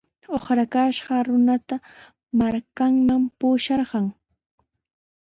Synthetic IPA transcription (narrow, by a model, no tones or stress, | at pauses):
oχɾakaʃɢɑɾʊnat̪a | maɾkaŋmampuːʃɑɾɢɑŋ